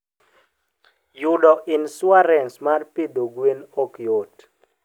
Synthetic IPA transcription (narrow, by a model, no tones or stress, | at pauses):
jʊdɔʔɪnswaɾɛnsmarpidoɡwenokjot